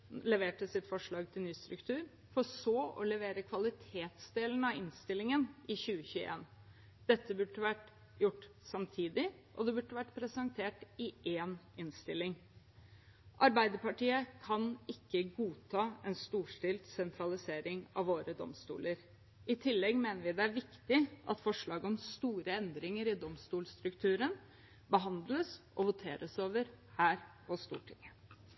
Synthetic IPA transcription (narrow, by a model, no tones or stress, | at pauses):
lɛʋeːʈəsɪt̪fɔʂɭɑːɡt̪ʰɪlnyːst̪ɾʉkt̪ʰʉːɾ | fɔsɔʔɔlɛʋeːɾəkʰʋɑlɪt̪ʰeːt̪sd̪eːln̩əɑɪnst̪ɪlɪŋənʔɪçʉːəçʉːə̰ḛːn | d̪̥ɛt̪ːəbʉɖəʋæʈ | jʊʈːsɑmt̪ʰiːd̪ɪʔɔ̰d̪ɛbʉɖːəʋæʈːpʰɾɛsɑŋt̪ʰeːʈɪʔeːnɪnst̪ɪlːɪŋ | ʔɑɾbæɪd̪əɾpɑʈiːəkʰɑnɪkːəɡuːt̪ʰɑːɛnst̪uːʂʈɪlt̪sɛnt̪ʰɾɑlɪseːɾɪŋɑ̰ʋʋoːɾəd̪ɔ̰mst̪ṵːləɾ | ʔɪt̪ʰɪlːɛɡmeːnəɾʋɪd̪ɛæɾʋɪkt̪ɪʔɑ̰t̪fɔʂɭɑːɡəɔmst̪uːɾəɛnd̪ɾɪŋəɾɪd̪ɔmst̪uːlst̪ɾʉkt̪ʰʉːɾən | bəɦɑnd̪ləsʔɔʋʊt̪ʰeːɾʔəsoːʋəɾ | hæːɾpʰɔst̪ṵːʈʰɪ̰ŋə